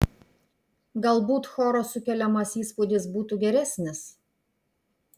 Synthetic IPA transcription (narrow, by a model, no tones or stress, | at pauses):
ɡɐlˠbuːt̪xoːɾoːsʊkʲɛlʲɛmɐsiːspud̪ʲɪsbuːt̪uɡʲɛɾʲæsʲnʲɪs